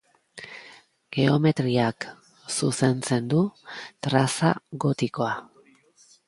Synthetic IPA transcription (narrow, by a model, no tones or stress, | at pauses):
ɡ̥e̞o̞me̞t̪ɾiak | suse̞nt͡se̞nd̪ut̪ɾasa̰ɣo̞t̪iko̞a